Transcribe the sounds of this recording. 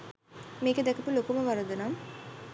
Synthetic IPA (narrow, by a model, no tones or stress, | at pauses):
meːked̪ɛkɐpulokumɐʋɐɾɐd̪unaːm